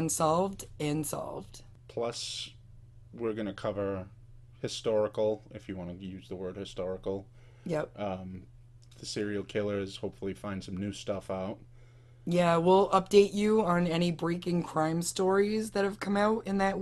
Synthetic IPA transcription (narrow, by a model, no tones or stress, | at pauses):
nsɑlˠvdɨ̃nsɑ̰lˠvd̥ | pʰl̥ʌs | wɪɹɡʌnɨkʰʌvə˞ | hɨstɔɹɨkl̩ˠɨfjɨwɑ̃nəjʉzðəwɜ˞d̚hɨstɔɹɨkl̩ˠ | jɛp̚ʌ̃ | ðɨsɪɹil̩ˠkʰɪlˠə˞z̥hoʊpfl̩ˠifãɪ̃nd̥sʌ̃mnʉstʌfaʊt̚ | jæwɪlˠʔʌp̚d̥eɪt͡ʃɨə̃nɛɾ̃ibɹeɪkɪ̃ŋkʰɹ̥ãɪ̃mstɔɹizðɨt̚hɨv̥kʰʌ̃maʊɾɨ̃nðɨʔ̚